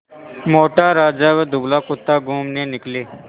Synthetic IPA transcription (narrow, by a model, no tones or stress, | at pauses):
moːʈaːɾaːd͡ʒaːʋed̪ʊɡlaːkʊt̪ːaːɡuːmneːnɪkleː